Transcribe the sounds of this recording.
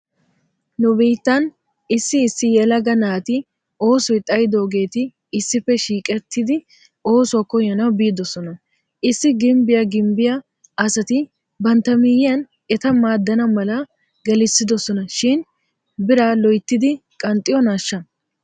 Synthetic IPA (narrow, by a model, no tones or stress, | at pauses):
nʊbiːt̪ːɐn | ɪsːɪːsːɪjɛlɐɡɐnaːt̪ɪ | o̞ːsɔjt̪ʼɐjɪd̪o̞ːɡe̞ːt̪ɪ | ɪsːɪfːɛʃiːkʼɛt̪ːɪd̪ɪ | o̞ːsʊwɐkɔjɐnɐwbiːd̪ɔsɔnɐ | ʔɪsːɪɡɪmbɪjɐɡɪmbɪjɐː | sɐt̪ɪ | bɐnt̪ɐmɪjɪjɐn | ɛt̪ɐmaːd̪ːɐnɐmɐlɐ | ɡɛlɪsːɪd̪ɔsɔnɐʃɪn | bɪɾaːlɔjt̪ːɪd̪ɪkʼɐnt̪ʼːɪjɔnaːʃːɐ